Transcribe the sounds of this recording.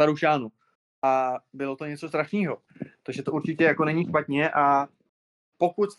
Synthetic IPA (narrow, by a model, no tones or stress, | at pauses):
aɾuʃaːnu | ʔabɪlo̞t̪o̞ɲɛt͡so̞st̪ɾaʃniːɦo̞ | t̪oɣʒɛt̪ouɾt͡ʃɪcɛjako̞nɛɲiʃpat̪̚ɲɛʔa | po̞kut̪